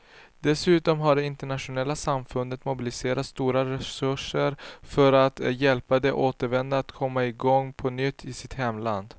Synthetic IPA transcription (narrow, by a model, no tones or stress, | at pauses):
d̪̥ɛsʉ̟ːt̪ɔmɦaɖɛɪnt̪ɛɳaʂʊnɛlːasamfɵnd̪ət̪mʊbɪlɪseːɾat̪st̪uːɾaɾɛsɵʂəɾfœɾat̪jɛlpad̪ɛʔoːt̪əɾvɛnd̪aːt̪kʰɔmːaɪɡɔŋːpʰɔnʏt̪ʰːɪsɪt̪hɛmːla̰nd̪